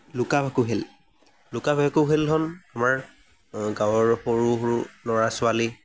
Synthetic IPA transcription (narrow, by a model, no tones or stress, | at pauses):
lʊkabʱakuɦel | lʊkabʱakʊɦelɦɔnamaɹ | ɡawɔɹpoɹuɦɹulɔɹasʊali